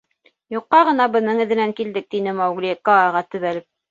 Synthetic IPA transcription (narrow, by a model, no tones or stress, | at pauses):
juqːɑʁɤ̆nɑbɤ̆nɤɴɘ̆ðɘ̆næŋkild̪ɘk̚t̪inɘmɑwɡlʲikoɑʁɑt̪ɵ̆βælɘp̚